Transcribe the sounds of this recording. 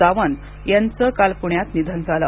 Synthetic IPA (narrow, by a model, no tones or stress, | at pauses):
aʋən | jant͡səkalpuɳjat̪nid̪ʱand͡zʱala